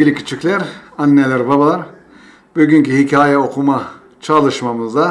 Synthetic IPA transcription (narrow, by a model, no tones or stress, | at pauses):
ilʲicʰi̥t͡ʃʰiclʲæɾanːelʲæɾbabalˠaɾ | byɟyɲcihicʰaːjaokʰuma | t͡ʃʰalˠɯʃmamɯzd̪a